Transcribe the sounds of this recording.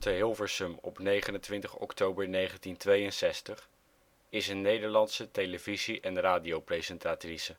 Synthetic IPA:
təɦɪlˠvəɹsəmɔ̰pnejχənəntʋɪntəχɔ̰ktowbəɹnejχəntintʋejənsɛstəχ | ɪsənːejdəɹlɑntsətejləviziʔɛnraːdijowprejzɛntaːtrisə

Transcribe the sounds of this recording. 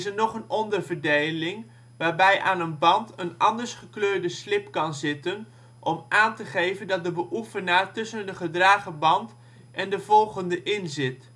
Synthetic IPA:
ɪsənɔχənɔndərvəɹdejlɪŋ | ʋaːɹbɛjʔa̰ːnənbɑntənʔɑndəɹsχəkløːɹdəslɪpkɑnzɪtən | ʔɔmʔaːntəχejvəndɑt̚dəbəʔufənaːɹtɵsəndəχədraːχəbɑnt | ʔɛndəvɔlˠχəndəʔɪnzɪt

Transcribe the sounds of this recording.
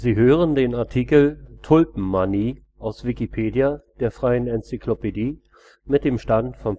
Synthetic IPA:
ziːɦøːʁəndeːnaɐtʰiːkl̩tʰʊlpm̩ːaniː | ʔaʊsv̥ikipʰeːdjad̥eːɐfʁ̥aɪənɛnt͡sikʰlopediː | mɪt̚d̥eːmʃtantfɔn

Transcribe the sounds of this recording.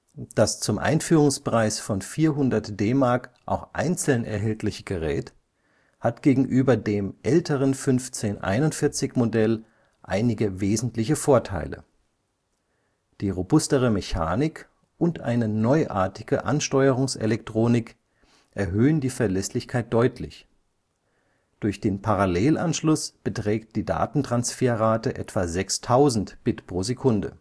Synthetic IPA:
d̥ast͡sʊmʔa̰ɪnfyːʁʊŋspʁ̥aɪsfɔnfiːɐɦʊndɐtd̥eːmaɐkʔa̰ʊxʔa̰ɪnt͡sl̩nʔɛ̰ɐɦɛltʰlɪçəɡ̥əʁɛ̰ːt | hatɡ̥eːɡŋ̩ʔyːbɐdeːmʔɛltʰəʁ̞ənfʏnft͡seːnʔa̰ɪnʊntfɪɐt͡sɪçmodɛl | ʔa̰ɪnɪɡəveːzn̩tlɪçəfoːɐtʰa̰ɪlə̰ | d̥iːʁobʊstəʁ̞əmeça̰ːnɪk | ʔʊntʔa̰ɪnənɔʏʔa̰ɐtɪɡ̥əʔa̰nʃtɔʏəʁʊŋsḛlɛk̚tʁ̥oːnɪk | ʔɛɐɦøːəndiːfɛɐlɛslɪçkʰaɪt̚d̥ɔʏtʰlɪ̰ç | d̥ʊɐçd̥eːnpʰaʁaleːlʔanʃlʊsb̥ətʁ̥ɛːkt̚d̥iːda̰ːtn̩tʁ̥ansfeːɐʁaːtəʔɛ̰tv̥azɛkstʰaʊzn̩tb̥ɪtpʁ̥oːzekʰʊndə̰

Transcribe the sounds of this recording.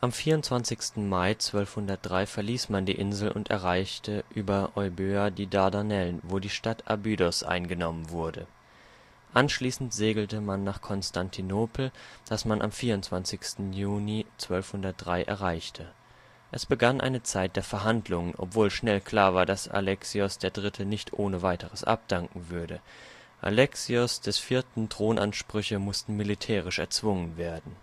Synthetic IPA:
ʔamfiːɐʊntt͡sv̥ansɪçstn̩maɪt͡sv̥œlfhʊndɐt̚d̥ʁaɪfɛɐliːsmandiːʔɪnzl̩ʔʊ̰ntɛ̰ɐʁaɪçtʰəʔyːbɐʔɔʏbøːadiːdaɐdanɛlənvoːdiːʃtatʰʔa̰bydɔsʔa̰ɪnɡənɔmənvʊɐdə | ʔanʃliːsn̩tz̥eːɡl̩təmanːaːχkʰɔnstʰantʰinoːpʰl̩d̥asmanʔa̰mfiːɐʊntt͡sv̥ansɪçstn̩juːnit͡sv̥œlfhʊndɐt̚d̥ʁaɪʔɛ̰ɐʁ̞aɪçtʰə | ʔɛsb̥əɡanʔa̰ɪnət͡saɪt̚d̥eːɐfɛɐɦandlʊŋənʔɔ̰pv̥oːlʃnɛlkʰl̥aːɐvaːɐdasa̰lɛksiɔsd̥eːɐdʁɪtʰənɪçtʰʔoːnəvaɪtəʁəsʔa̰p̚d̥aŋkŋ̩vʏɐdə | ʔa̰lɛksiʊsd̥ɛsfiːɐtn̩tʁ̥oːnʔa̰nʃpʁ̥ʏçəmʊstn̩militʰɛːʁ̞ɪʃɛ̰ɐt͡sv̥ʊŋənveːɐdn̩

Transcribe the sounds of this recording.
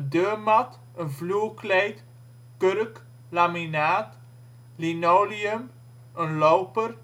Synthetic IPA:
døːmɐt | ənvluəklɛjt | kəɾk | laminaːt | linowliəm | ənlɔwpər

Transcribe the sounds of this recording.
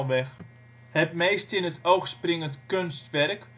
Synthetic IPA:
lˠʋɛx | hət̚meːstɪnətowxsprɪŋəntkønstʋɛrk

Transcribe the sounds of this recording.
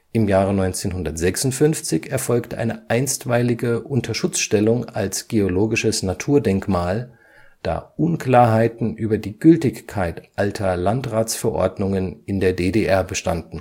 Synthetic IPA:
ʔɪmjaːʁənɔʏnt͡seːnɦʊndɐtz̥ɛksʊntfʏnft͡sɪçɛɐfɔlktəʔa̰ɪnəʔaɪnstv̥aɪlɪɡəʔʊntʰɐʃʊt͡sʃtɛlʊŋa̰lsɡ̥eoloːɡɪʃəsnatʰuːɐdɛŋkmaːl | d̥a̰ːʔʊnklaːɐɦaɪtn̩ʔyːbɐdiːɡʏltɪçkʰːaɪtʔaltʰɐlantʁaːt͡sfɛɐʔɔ̰ɐdnʊŋənɪndeːɐdeːdeʔɛɐbəʃta̰ndn̩

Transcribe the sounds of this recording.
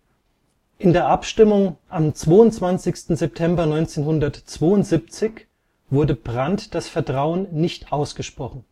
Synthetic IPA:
ʔɪndeːɐʔapʃtɪmʊŋʔamt͡sv̥oːʊntt͡sv̥ant͡sɪçstn̩zɛp̚tʰɛmbɐnɔʏnt͡seːnhʊndɐtt͡sv̥oːʊntz̥ip̚t͡sɪç | v̥ʊɐdəb̥ʁantd̥asfɛɐtʁ̥aʊənːɪçtʔaʊsɡ̥əʃpʁ̥ɔχn̩

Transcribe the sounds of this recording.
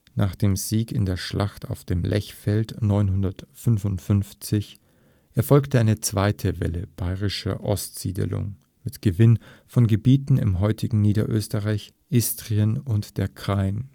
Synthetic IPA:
nʔaːχd̥eːmziːkɪ̰ndeːɐʃlaχta̰ʊfd̥eːmlʔɛ̰çfɛltnɔʏnɦʊndɐtfʏnvʊntfʏnft͡sɪç | ʔeːɐfɔlktəʔaɪnət͡sv̥aɪtʰəvɛ̰ləb̥aɪʁɪʃɐ̰ʔɔ̰stz̥ḭːdə̰lʊ̰ŋ | mɪtɡ̥əvɪnfɔnɡəbiːtn̩ɪ̰mɦɔʏtʰɪɡŋ̩niːdɐ̰ʔø̰ːstəʁaɪç | ʔɪstʁ̥iənʊntd̥eːɐkʁ̥aɪn

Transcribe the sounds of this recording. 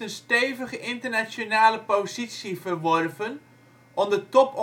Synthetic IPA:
ənsteːvəχəʔɪntərnasjonaːləpozit͡sjivərʋɔrvən | ʔɔndətɔp

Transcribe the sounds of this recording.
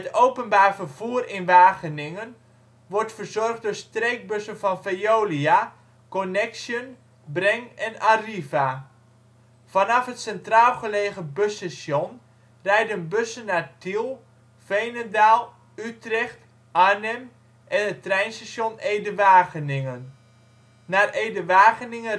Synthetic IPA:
ətowpənbaːrfərv̥uːərɪnʋaːɣənɪŋən | ʋɔrtfərzɔrχd̚dʊːɹstrejk̚bøsənfɑnfejoːlia | konɛksjən | brɛŋɛnariva | fɑnɑfɦətsɛntraːlˠχəleːχəbøsasjon | rɛjdənbøsənːaːrtilˠ | fejnədaːlˠ | ytrɛxt | ʔanɛm | ʔɛnətːrɛjnsasjonejdəʋaːɣənɪŋənː | aːrejdəʋaːɣənɪŋə

